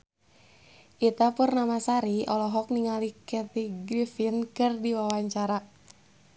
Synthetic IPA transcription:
ʔit̪apurnamasaɾiɔlɔɦɔk̚niŋalikɛt̪iɡɾifinkɨrdiwawaɲt͡ʃaɾa

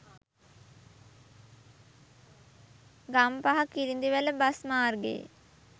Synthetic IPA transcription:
ɡampaɦakilind̪iʋələbasmaːrɡḛj̰

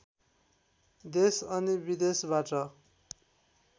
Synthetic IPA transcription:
d̪esʌnibid̪esbaʈʌ

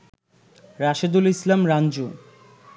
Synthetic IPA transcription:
ɾaʃed̪ulislamɾand͡ʑo

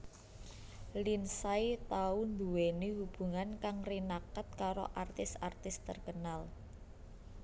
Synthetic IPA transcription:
linsait̪aund̪uwenehub̥ṳŋankaŋrinakət̪̚kaɾo̰ʔart̪ɪsart̪ɪst̪ərkənal

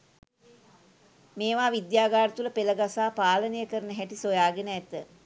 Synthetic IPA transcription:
meːʋaːʋid̪jaːɡaːɾət̪uləpeləɡasaːpaːlənəjəkəɾənəɦæʈisojaːɡenəæt̪ə

